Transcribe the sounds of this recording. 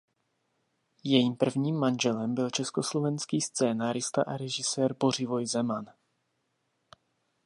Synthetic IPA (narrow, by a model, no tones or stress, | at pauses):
jɛjiːmpr̩vɲiːmːanʒɛlɛmbɪlt͡ʃɛsko̞slo̞vɛnskiːst͡sɛːnaːɾɪst̪a̰ʔaɾɛʒɪsɛːɾbo̞r̝ɪvo̞jzɛman